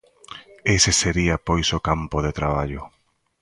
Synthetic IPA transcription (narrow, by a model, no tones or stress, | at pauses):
eseseɾiapojsokampoðet̪ɾaβ̞aʎʊ